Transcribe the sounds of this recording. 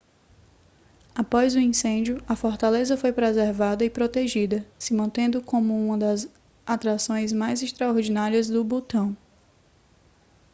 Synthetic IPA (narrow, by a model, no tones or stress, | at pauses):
apɔzʊĩsẽd͡ʒjʊɐfɔɾt̪alezɐfojpɾezeɾvad̪ɐɪpɾot̪eʒid̪ɐsɪmɐ̃nt̪ẽnd̪ʊkõmʊũmɐ̃d̪ɐz | at̪ɾasõj̃zmajzɪʃt̪ɾaoɾd͡ʒinaɾiɐzd̪ʊbot̪ɐ̃w̃